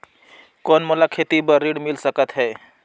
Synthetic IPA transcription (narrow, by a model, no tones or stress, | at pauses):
konməlakʰet̪ibəɾiɽmilsəkət̪ɦɛ